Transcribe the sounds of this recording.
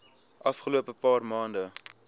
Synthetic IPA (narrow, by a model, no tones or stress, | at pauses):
ʔɐfχəluəpəpɑːrmɑːndə